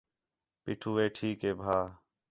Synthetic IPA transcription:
piːʈʰuːʋeːʈʰiːkeːbʱaː

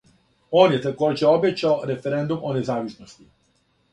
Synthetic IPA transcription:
oːnjet̪ako̞ːd͡ʑeo̞bet͡ɕaoɾe̞feɾe̞nd̪umone̞zaːʋisnost̪i

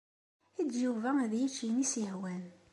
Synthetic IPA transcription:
idjuvææðjit͡ʃːinisihwæn

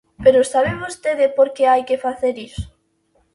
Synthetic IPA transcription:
peɾosaβ̞emost̪eðepoɾkeajkefaθeɾiso̥

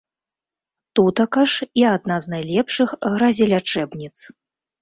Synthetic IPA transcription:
t̪ut̪ɐkɐʂiad̪̚naznajlʲɛpʂɨxɣɾɐzʲɛlʲat͡ʂɛbnʲit̪s

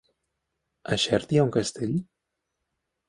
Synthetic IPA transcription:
aʃɛɾt̪iauŋkast̪eʎ

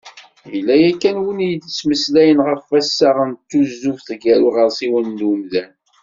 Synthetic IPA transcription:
jəlːæjækːænwənijd̪t͡sːməslæjənʁəfæsːaʁənt̪ːuzːufθɡæɾuʁəɾsiwənːumðæn

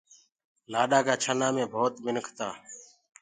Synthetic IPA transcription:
laːɗaːkaːt͡ʃʰənãːmẽːbʱoːt̪mɪnkʰt̪aː

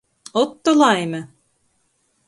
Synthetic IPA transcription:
ot̪ːŏlˠɑjmɤ

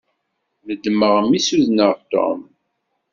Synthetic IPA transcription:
məd̪ːməʁəmisuðnəʁt̪o̰m

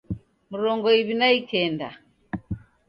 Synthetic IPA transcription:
muɾɔŋɡɔiβinaikɛnda̰

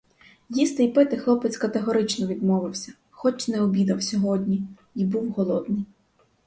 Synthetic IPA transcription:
jist̪ɪjpɪt̪ɪxlˠɔpɪt͡ssʲkɐt̪eɦɔɾɪt͡ʃnɔʋʲid̪mɔʋɪwsʲɐ̥ | xɔt͡ʃnɛɔbʲid̪ɐwsʲɔɦɔd̪ʲnʲi | ibuwɦɔlˠɔd̪nɪj

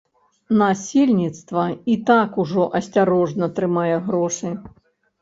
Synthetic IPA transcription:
nasʲelʲnʲit̪st̪vɐit̪akuʐɔʔɐsʲt͡sʲaɾɔʐnɐt̪ɾɨmajɛɣɾɔʂɨ

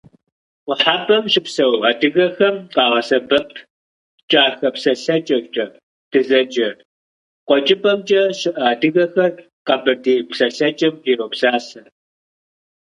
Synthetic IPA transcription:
wʷʊħaːbɐmʃɪpsɐwaːdɨɣɐxɐmqʼɑːʁɐsɐbɐpʰ | t͡ʃʼaːxɐpsɐɬɐt͡ʃʼɐt͡ʃʼɐ | d̥ɨzɐd͡ʒʼɐ | qʷʼɔt͡ʃʼɪbʼɐmt͡ʃʼɐʃɪʔaːdɨɣɐxɐr | qɐbɨrdeːpsɐɬɐt͡ʃʼɐmiːɾowpsaːsɐ

